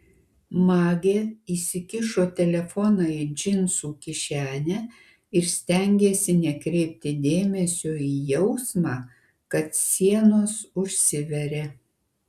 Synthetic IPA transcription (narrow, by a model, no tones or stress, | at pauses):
mɑːɡʲeːiːsʲɪkʲɪʃoːt̪ʲɛlʲɛfɔnɑid͡ʒʲɪnsuːkʲɪʃʲæːnʲɛ | ɪɾsʲt̪ʲɛŋʲɡʲeːsʲɪnʲɛkɾʲɛɪp̚ʲt̪ʲɪd̪ʲeːmʲɛsʲoiːjɛʊsmɑː | kɐt̪sʲiɛnoːsʊʃʲsʲɪʋʲɛɾʲeː